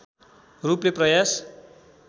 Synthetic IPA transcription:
rupleprʌjas

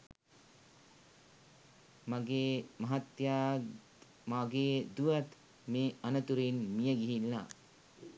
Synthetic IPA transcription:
maɡeːmɐɦat̪jaː | maɡeːd̪uʋat̪ | meːanət̪uɾinmijəɡiɦilːa̰

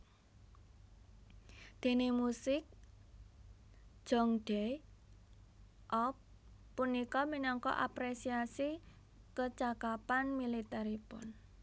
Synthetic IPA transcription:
d̪̥e̤nemusɪk̚ | d̥ʒ̥ɔ̤ŋɖ̥ɛ | ʔɔpː | unikɔminɔŋkɔ̰ʔa̰pɾesiasi | kət͡ʃakapanmilit̪ɛɾipʊ̰n

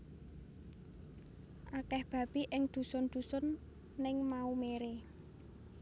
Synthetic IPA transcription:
ʔakɛhb̥ä̤b̥iʔɪŋd̪̥ṳsʊnd̪̥ṳsʊnː | ɪŋmaumeɾe

